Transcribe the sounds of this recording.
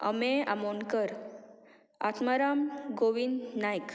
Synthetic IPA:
ə̰mea̰monkəɾ | a̰t̪maɾamɡoʋind̪najk

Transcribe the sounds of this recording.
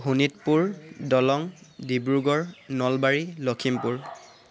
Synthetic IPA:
ɦunitpuɹdɔlɔŋdibɹuɡɔɹnɔlbaɹilɔkʰimpuɹ

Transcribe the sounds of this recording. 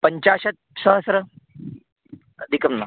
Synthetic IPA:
pəɲt͡ɕaɕət̪̚səɦəsɾə | d̪ikəmna

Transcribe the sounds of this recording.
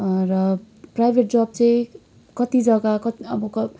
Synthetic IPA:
rʌ | prajbʱeʈ̚d͡zʌb̚t͡sʌĩ | kʌt̪id͡zʌɡakʌt̪iʌbʌkʌ

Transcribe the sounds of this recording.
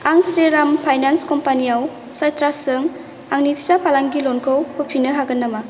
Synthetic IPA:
aŋsɾeɾampʰajnanskɔmpaniaw | sajtɾasɯŋ | aŋnipʰizapʰalaŋɡilɔnkʰɔwhupʰinɯɦaɡɯnːama

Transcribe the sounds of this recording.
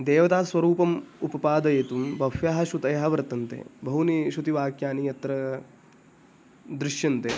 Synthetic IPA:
d̪eːʋɐt̪aːsʋɐɾuːpɐmupɐpaːd̪ɐjeːt̪umbɐfjaːɦɐʃut̪ɐjɐɦɐʋɐɾt̪ɐnt̪ḛːbʱɐɦuniʃut̪iʋaːkjaːnijɐt̪ɾɐ | d̪ɾɪʃjɐnt̪e

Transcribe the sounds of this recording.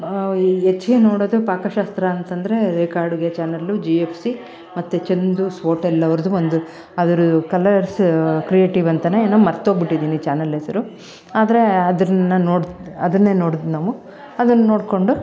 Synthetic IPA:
et͡ʃːɡeːnoːɽoːd̪upaːkɐʃaːst̪ɾɐːnt̪ɐnd̪ɐɾe̞ɾeːkaːɾɽuɡet͡ʃaːnɐlud͡ʒiepʰsi | mɐt̪ːut͡ʃend̪usʋoːʈɛlːɐʋɐɾɐd̪uond̪u | ɐd̪ɐɾukɐlɐɾskɾijeːʈiʋɐnt̪ɐneeːnɐmɐɾt̪oɡbiʈːid̪iːnit͡ʃaːnɐlːɐsɐɾu | aːd̪ɐɾe̞ɐd̪ɐnːɐnoːɽɐd̪ɐnːe̞ːnoːɽd̪naːʋu | ɐd̪ɐnːɐno̞ːɽko̞ɳɖu

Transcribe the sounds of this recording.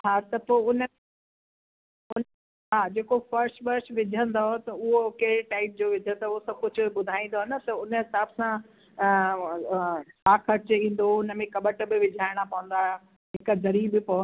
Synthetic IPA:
ɦaːt̪ɐpoːʊnə | ʊn | ɦaːd͡ʑeːkofɐɾsʈʋɐɾsʋɪd͡ʑʱə̃nd̪ot̪ɐʊɦokɐɦɪɾeʈaːɪp̚d͡ʑoːʋɪd͡ʑʱə̃nd̪oɦosɐkʊd͡ʑʱʊɓʊd̪ʱaːĩːn̆d̪oɦɐnət̪ɐʊnəɦɪsaːbsã | t͡ɕʰaːkʰɐɾt͡ɕĩːn̆d̪oʊnə̆mẽkɐɓəʈ̆bɪʋɪd͡ʑʱaːɪɽ̃apɐʋə̃n̆d̪aːõ | ɦɪkəzɐɾiːbɪpo

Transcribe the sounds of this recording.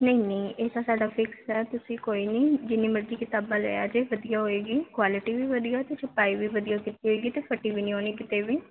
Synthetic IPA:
nəĩːnĩːeːd̪aːsaːɖaːpʰɪksɦɛːt̪ʊsĩːkoːiːnĩːd͡ʒɪniːməɾd͡ʒiːkɪt̪aːbaːlə̰jaːd͡ʒeːʋəd̪ijaːɦoːeːɡiːkwaːlɪʈiːʋiːʋəd̪ijaːt̪et͡ʃʰəpaːiːʋiːʋəd̪ijaːkɪt̪iːɦoeːɡiːt̪eːpʰəʈiːʋiːnĩoːniːkɪt̪eːʋiː

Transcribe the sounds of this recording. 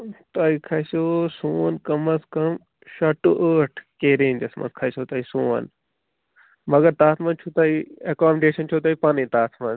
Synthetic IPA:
t̪ɐːikʰɐsoːsuːnkɐmɐskɐm | ʃɐʈuʔəːʈʰkeːɾeːɲd͡ʒɐsmɐ̰skʰɐsoːt̪ɐisuːə̰n | mɐɡɐɾt̪aːt̪ʰmɐ̃nt͡ʃʰuːt̪ɐiekaːmeɖeːʃɐnt͡ʃʰot̪aipaːnĩːt̪aːt̪ʰmɐnz

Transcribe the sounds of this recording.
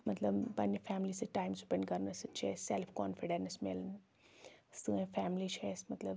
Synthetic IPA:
mɐt̪lɐbpɐnːəfæːmlisɨʈaːimsupeɳɖkɐɾnəsɨt͡ʃʰeːselpʰkɔ̰ːnfiɖensmeln | st̪ɨẽfæːmlit͡ʃʰeːsmɐt̪ləb

